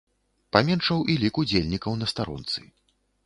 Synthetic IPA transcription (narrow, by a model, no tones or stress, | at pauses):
pamʲɛnʂɐwʔilʲikud͡zʲelʲnʲikɐwnɐst̪aɾɔ̰nt̪sɨ̰